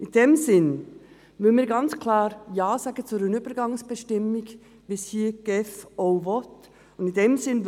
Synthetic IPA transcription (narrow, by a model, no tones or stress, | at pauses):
ʔɪnd̥emzɪn | mɪləmiːɡɑnt͡skʰlaːɾjaːzaːɡət͡suɾɪnyːb̥əɾɡɑŋsb̥əʃtɪmɪɡ | v̥ishiːɡ̥ɛfoːvɔt | ʊndɪndemzɪn